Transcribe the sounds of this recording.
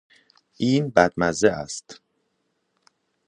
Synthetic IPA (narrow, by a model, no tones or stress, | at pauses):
ʔiːnbæd̪̚mæzeʔæ̰st̪